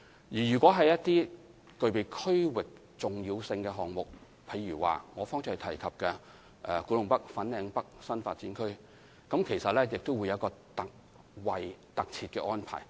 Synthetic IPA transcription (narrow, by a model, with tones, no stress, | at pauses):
jiː˨˩jyː˨˩kʷɔː˨˥ɦɐ˨jɐ˥t̚t̪iː˥ | kɵ˨ɥpe˨˧jkʰɵ˥ɥwɪ˨k̚ | t͡sʊ˨ŋjiː˧wsɪ˧ŋkɛː˧ɦɔː˨ŋmʊ˨k̚ | pʰɐ˨˧jɥyː˨˩wa̰ː˨ŋɔː˨˧fɔː˥ŋt͡sɪ˥hɐ˨jt̪ʰɐ˨˩jkʰɐ˨p̚kɛ˧ | ʔɛː˨˩kuː˨˥lʊ˨˧ŋpɐ˥k̚fɐ˨˥nlɛː˨˧ŋpɐ˥k̚sɐ˥nfa̰ː˧t̚t͡siː˨˥nkʰɵ˥ɥ | kɐ˨˥mkʰe˨˩jsɐ˨t̚lɛː˥jɪ˨k̚t̪o˥wuː˨˧jɐ˨˦˥kɔː˧t̪ɐ˨k̚ | wɐ˨jt̪ɐ˨k̚t͡sʰiː˧t̚kɛː˧ʔɔː˥npʰa̰ː˨˩j